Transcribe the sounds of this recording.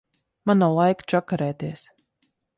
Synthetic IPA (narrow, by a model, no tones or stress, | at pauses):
manːawlˠajkt͡ʃakaɾɛːt̪iɛs